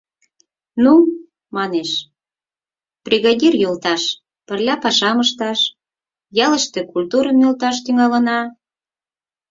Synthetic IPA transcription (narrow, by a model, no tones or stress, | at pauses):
nu | mɑneʃ | prʲiɣɑdʲirjolt̪ɑʃ | pərlʲɑpɑʃɑməʃt̪ɑʃ | jɑləʃt̪ĕkult̪uɾəmølt̪ɑʃ̬t̪yŋɑlə̆nɑ